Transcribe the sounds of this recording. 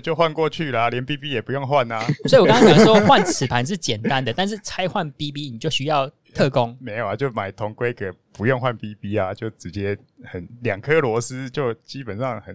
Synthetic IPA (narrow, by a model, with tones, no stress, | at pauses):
t͡ɕjo˥˧ʊxwa˥˧nkwɔ˥˧t͡ɕʰy˥˨la˨ljɛ˧˦npi˦pi˦˥jɛ˨˩pu˧˦jo˥˧ŋxwa˥˨na˨˦swɔ˧˥i˨˩˨kŋɑ˥ŋjo˨˩d̪ə˥o˥˧xwa˥˩nt͡sʰɹ̩˨˩pʰa˨˦nʂ̬ɻ̩˥˩t͡ɕjɛ˨˩nt̪a˦nd̪ə˨t̪a˥˧nʂ̬ɻ̩˥˩t͡sʰa˥ɪxwa˥˩npi˦pi˦˥ni˨˩t͡ɕjo˥˩ʊɕy˦˥jɑ˥˨ʊ | t̪ʰɤ˥˨ko˦˥ŋme˧˥ɪja˨˦t͡ɕjo˥˩ʊma˨˩ɪt̪ʰɔ˧˥˦ŋkwe˥˦ɪkʰə˨˩pu˧˦jo˥˧ŋxwa˥˧npi˦pi˦a˨t͡ɕjo˥˩ʊʈ͡ʂɻ̩˧˦t͡ɕjɛ˦ | xə˨˩˦nljɑ˨˩ŋkʰɤ˦lwɔ˧˥sɹ̩˦t͡ɕjo˥˩ʊt͡ɕi˦pə˨˩nsɑ˥˩ŋxə˨˩n